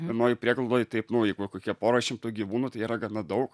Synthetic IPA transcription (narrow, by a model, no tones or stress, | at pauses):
ɛnoːjɪpʲɾʲiɛɡlˠlˠd̪oːjɪt̪ɐɪpnʊjɛɪkokoːkʲiɛpoːɾoʃʲɪmt̪uːɡʲiʋuːnʊt̪ɐɪiːɾɐɡɐnɐd̪ɐʊk